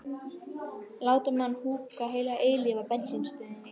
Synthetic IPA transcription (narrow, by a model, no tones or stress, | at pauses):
laːwt̪ʏmanːhuːkaɦeːjlaʔeːjlɪvapɛnsinst̪ʏðnɪ